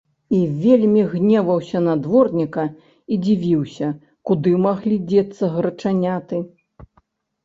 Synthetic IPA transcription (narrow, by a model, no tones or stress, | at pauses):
ivʲelʲmʲiɣnʲɛvɐwsʲɐnad̪vɔrnʲikɐ | id͡zʲivʲiwsʲɐ | kud̪ɨmaɣlʲid͡zʲɛt̪sːɐɣɾɐt͡ʂanʲat̪ɨ